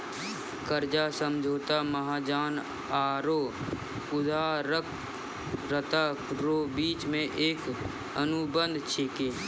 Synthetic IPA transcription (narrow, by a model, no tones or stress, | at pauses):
kəɾd͡ʒasəmd͡ʒʱoːt̪aməɦaːd͡ʒaːn | aːɾoː | ʊd̪ʱaːɾək | ɾət̪aɾoːbiːt͡ʃmẽʔeːk | ənʊbə̃nd̪ʱt͡ʃʰɪkeː